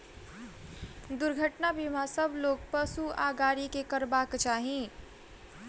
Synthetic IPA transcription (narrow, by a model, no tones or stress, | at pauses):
d̪ʊɾɡʱəʈnabimãsəbʱloːɡ̚pəsuaɡaːɾikekəɾbaːkt͡ʃaːɦĩ